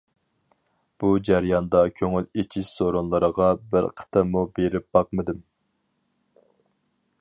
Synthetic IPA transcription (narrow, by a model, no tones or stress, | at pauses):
b̥ud͡ʒæɾjɑnd̪ɑkʲʰøŋylet͡ʃʰiʃsoɾonlˠɨɾəʁɑbɪɾqʰə̥t̪ʰɨmubeɾɪp̚bɑq̚mɨd̪ɪm